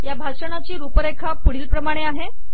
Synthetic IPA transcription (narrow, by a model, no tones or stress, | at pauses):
jabʱaʂənat͡ɕiːɾupəɾekʰapuɽ̤iːlpɾəmaɽ̃eaɦe